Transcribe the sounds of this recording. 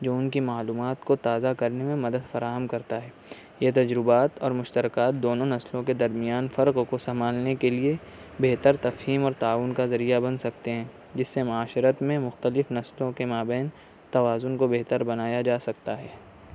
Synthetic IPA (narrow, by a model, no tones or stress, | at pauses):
d͡ʒoːʊnkimaːluːmaːt̪kot̪aːzakɐɾnemẽmɐd̪əd̪fɐɾaːɦəmkɐɾt̪aɦɛː | jet̪ɐd͡ʒɾʊbaːt̪ɔːɾmʊʃt̪əɾɪkaːt̪̚d̪oːnõnɐslõked̪ɐɾmijaːnfɐɾqkosɐmaːlnekelie | beɦt̪əɾt̪ɐfɦiːmɔːɾt̪aːʋʊnkazɐɾijabɐnsɐk̚t̪eɦɛ̃ː | d͡ʒɪsːemʊaːʃɪɾət̪mẽmʊxt̪əlɪfnɐslõkemaːbɛːn | t̪ɐʋaːzʊnkobeɦt̪əɾbɐnaːjad͡ʒaːsɐk̚t̪aɦɛː